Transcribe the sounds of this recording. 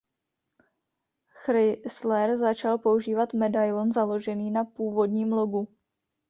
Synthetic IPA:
xɾɪslɛɾzat͡ʃalpo̞uʒiːvat̪mɛdajlonzalo̞ʒɛniːnapuːvo̞dɲiːmlo̞ɡu

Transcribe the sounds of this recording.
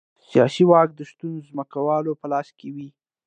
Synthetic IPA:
sjɑsiwɑk̚d̪əʃt̪unzməkawɑlopəlɑskewi

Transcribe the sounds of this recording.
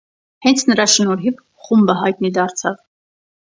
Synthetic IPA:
hɛnt͡sʰnəɾɑʃənɔɾɦiv | χumbəɦɑjt̪nid̪ɑɾt͡sʰɑv

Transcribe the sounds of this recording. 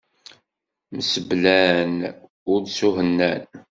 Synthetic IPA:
məsəblæn | ʊɾd̪suɦənːæn

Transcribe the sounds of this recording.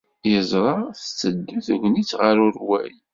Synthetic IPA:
jəzˤɾˤɑθt͡sːəd̪ːuθʝʷnit͡sːʁəɾʊɾwæ̰j

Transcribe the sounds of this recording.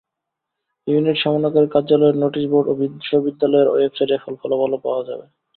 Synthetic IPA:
juniʈʃɔmonakaɾekaɾd͡ʑalɔeɾnoʈiʃboɾɖobid̪ʃobid̪ːalɔeɾɔ̰efsaɾefɔlfɔlabalopa̰oad͡ʑa̰be

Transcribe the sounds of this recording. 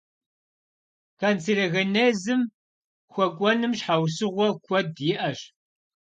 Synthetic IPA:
kant͡sirɐɣɐneːzɨm | xʷɔkʷʼɔnɨmɕħawsɨʁʷɔkʷʰɔdjɪʔɐɕ

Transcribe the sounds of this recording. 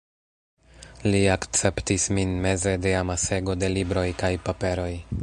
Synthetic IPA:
liakt͡se̞ptisminme̞ze̞deamase̞ɡo̞de̞libɾo̞jkajpape̞ɾo̞j

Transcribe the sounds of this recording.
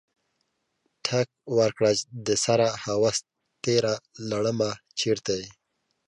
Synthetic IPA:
ʈʰak̚waɾkɽat͡ʃd̪əsaɾahawas | t̪eɾalaɽəmat͡ʃeɾt̪aj

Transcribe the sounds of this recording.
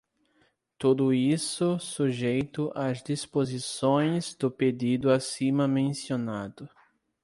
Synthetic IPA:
t̪ud̪ʊisʊsuʒejt̪ʊʔazd̪ispozisõj̃zd̪ʊped̪id̪ʊasĩmɐmẽsionad̪ʊ

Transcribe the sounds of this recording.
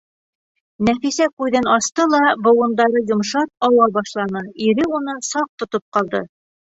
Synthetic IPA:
næfisækʉðɘnɑst̪ɤlˠɑbŏwɤ̆nd̪ɑɾɤjŏmʃɑt̪̚ɑwɑbɑʃlˠɑnɤiɾɘunɤnsɑq̚t̪ŏt̪op̚qɑlˠd̪ɤ

